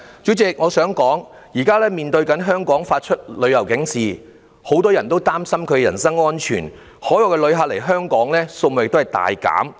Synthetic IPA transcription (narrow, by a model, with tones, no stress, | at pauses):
t͡ʃyː˨˥t͡sɪ˨˩k̚ŋɔː˨˧sœː˨˥ŋkɔː˨˥ŋ | jiː˨˩kaː˥lɛː˥miː˨nt̪ɵ˧ɥkɐ˨˥nɦœː˥ŋkɔː˨˥ŋfaː˧t̚t͡ʃʰɵ˥t̚lɵ˨˧ɥjɐ˨˩wkɪ˨˥ŋsiː˨ | ho˨˥wt̪ɔː˥jɐ˨˩nt̪o˥wt̪aː˥msɐ˥mkʰɵ˨˧ɛ˧jɐ˨˩nsɐ˥ŋːɔː˥nt͡ʃʰyː˨˩n | hɔː˨˥jɐ˨˧wkɛ˧lɵ˨˧ɥɦaː˧t̚le˨˩jɦœː˥ŋkɔː˨˥ŋlɛː˥so˧mo˨˧jɪk̚t̪wɦɐ˨˩jt̪a̰ː˨jka̰ː˨˥m